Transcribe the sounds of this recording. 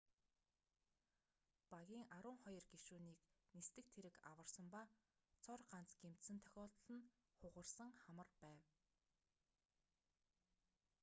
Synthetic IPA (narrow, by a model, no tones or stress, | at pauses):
paɣʲiːŋaɾʊːŋχɔjɞ̆rɡeʃuːniːknist̪ɘ̆k̚t̪ʰeɾɘ̆ka̰wə̆rsə̆mpa | t͡sʰɔrɢan̥t͡sɡ̥em̥t̪sɘ̆nt̪ʰœ̥xʲɔːɮt̪̆ɮə̆n | χʊʁə̆rsə̆ŋχamə̆rpæːw